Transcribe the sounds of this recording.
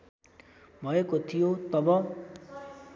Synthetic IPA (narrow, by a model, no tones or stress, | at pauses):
bʱʌekot̪ʰijot̪ʌbʌ